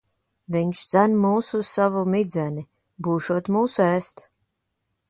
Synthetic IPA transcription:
viɲʃz̥ænmuːsussavumid̪zɛni | buːʃuɔt̪muːsuɛːst̪

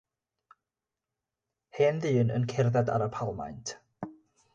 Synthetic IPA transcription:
heːnðɨːnə̰nkʰɛrðada̰ɾapʰalˠma̰jntʰ

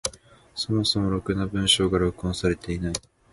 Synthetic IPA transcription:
so̞mo̞so̞mo̞ɾo̞kɯ̟nabɯ̟̃ɰ̃ɕo̞ːɡaɾokɯ̟õsaɾe̞t̪e̞inai

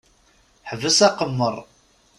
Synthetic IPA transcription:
ħəvəsæqəmːərˤ

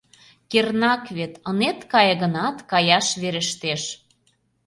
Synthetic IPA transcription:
kernɑkβet̪ənet̪kɑjəɣə̆nɑt̪kɑjɑʃβeɾə̆ʃt̪eʃ

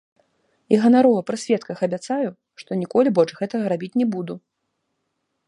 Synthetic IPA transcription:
iɣɐnaɾɔvɐpɾɨsʲvʲɛt̪kɐxɐbʲat̪saju | ʂt̪ɔnʲikɔlʲibɔlʲt͡ʂɣɛt̪ɐɣɐɾabʲit͡sʲnʲɛbud̪u

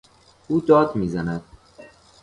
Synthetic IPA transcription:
uːd̪ɒːd̪miːzænæd̪̥̚

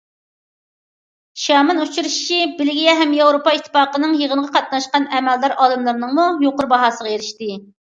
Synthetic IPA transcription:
ʃɑːmɨnut͡ʃʰuɾuʃi̥t͡ʃʰibɪlɪɡʲijɛɦɛmjɑwɾopɑit̪ʰːɨ̥fɑːqənɨŋjəʁənʁɑqʰɑt̪̚nɑʃqɑnɛmɛld̪ɑɾɑːlˠɨmlˠɨɾnɨŋmujoqʊɾbɑɦɑːsəʁɑeɾɪʃt̪ɪ

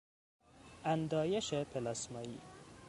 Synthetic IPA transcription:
and̪ɒːjeʃepʰelɑsmɒḭ

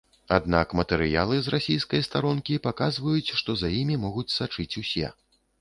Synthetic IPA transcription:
ad̪na̰kmɐt̪ɛɾɨja̰lˠɨzrasʲijskɐjst̪aɾɔnkʲipakazvɐjut͡sʲʂt̪ɔzajimʲimɔɣut͡sʲsat͡ʂɨt͡sʲusʲɛ̰

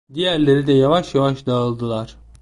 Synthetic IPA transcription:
d̪ijæɾlʲe̞ɾid̪ɛjavaʃjavaʃd̪aɯlˠd̪ɯlˠaɾ̥

